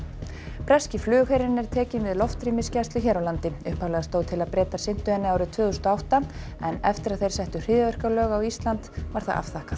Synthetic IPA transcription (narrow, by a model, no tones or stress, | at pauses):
pɾɛscɪflʏːɣhejɾɪnːɛɾ̥t̪ʰɛːcɪnvɪðlɔft̪ɾiːmɪscɛst̪lʏçɛːɾawlant̪ɪʏhpawlɛɣast̪oːwt̪ʰɪlaðpɾɛːt̪asɪn̥t̪ʏɛnːɪawɾɪt̪ʰvœːðʏst̪awht̪a | ɛnɛft̪ɪɾaðθejr̥sɛjht̪ʏr̥ɪːðʏvɛr̥kalœːɣawist̪lant̪va̰ɾ̥θa̰ða̰fθaːkaθ